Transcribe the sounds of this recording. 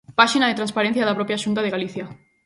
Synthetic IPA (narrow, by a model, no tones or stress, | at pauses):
paʃinaðet̪ɾãnspaɾen̟θjaðapɾopjaʃunt̪̬aðeɣaliθja